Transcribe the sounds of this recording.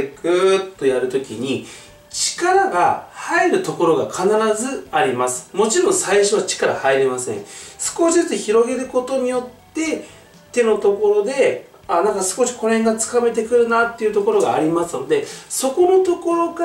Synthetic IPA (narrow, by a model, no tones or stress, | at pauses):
ekɯt̪ːo̞jaɾɯ̟t̪o̞kʲiɲ̟i | t͡ɕi̥kaɾaɡahaeɾɯ̟t̪o̞ko̞ɾo̞ɡa̰kʰanaɾazɨaɾʲimasɨ̥mo̞t͡ɕiɾõ̞ɰ̃saiɕo̞βat͡ɕi̥kaɾa̰haiɾʲimasẽ̞̰ɴ̃sɨ̥ko̞ɕitɨçiɾo̞ɡe̞ɾɯ̟ko̞t̪o̞ɲ̟ijo̞t̪ːe̞ | t̪e̞no̞t̪o̞ko̞ɾo̞d̪e̞ | anãŋkasɨ̥ko̞ɕi̥ko̞nheŋɡat͡sɨ̥kame̞t̪e̞kɯ̟ɾɯ̟nat̪ːe̞iɯ̟t̪o̞ko̞ɾo̞ɡaːɾʲimasɨno̞d̪e̞so̞ko̞no̞t̪o̞ko̞ɾo̞ɡa